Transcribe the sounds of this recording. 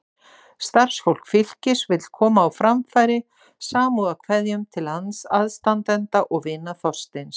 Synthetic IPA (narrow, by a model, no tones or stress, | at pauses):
st̪ar̥sfowl̥kfɪl̥cɪsvɪt̪lkʰɔːmaːwfɾamfajɾɪ | saːmuðakʰvɛðjʏmt̪ʰɪlhansaðst̪ant̪ɛnt̪aʔɔɣvɪnːaθɔst̪ɪns